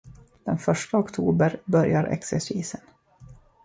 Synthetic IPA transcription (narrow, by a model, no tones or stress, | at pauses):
d̪̥ɛnfœʂʈaɔkt̪ʰuːbəɾbœɾjaɾʔɛ̰ksɛsiːsən